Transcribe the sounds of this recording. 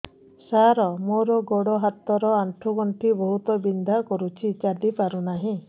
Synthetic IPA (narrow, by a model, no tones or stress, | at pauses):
saɾɔmoɾɔɡoɽɔɦat̪ːɔɾɔaɳʈʰuɡɔɳʈʰibɔɦut̪ɔbind̪ʱakɔɾut͡ʃʰit͡ʃad̪ipaɾunaɦĩ